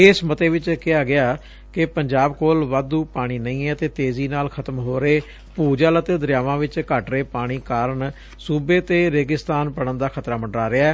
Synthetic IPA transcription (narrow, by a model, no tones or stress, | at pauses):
eːsmət̪eːʋɪt͡ʃkɪaːɡɪaː | kɪpəɲd͡ʒaːbkoːlʋad̪uːpaːɽ̃iːnəĩːɛːt̪eːt̪eːziːnaːlkʰət̪əmɦoːɾeeː | puːd͡ʒaːlət̪eːd̪əɾjaːʋãːʋɪt͡ʃkəʈɾeːpaːɽ̃iːkaːɾəɳ | suːbeːt̪eːɾeːɡɪst̪aːnpəɽənd̪aːkʰət̪ɾaːməɳɖɾaːɾɪaɛː